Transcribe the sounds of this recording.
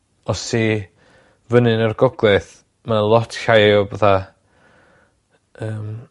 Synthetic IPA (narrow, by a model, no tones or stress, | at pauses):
ɔsi | vənɨnərɡɔɡlˠɨθ | malˠɔtʰɬajɔbəθa | əːm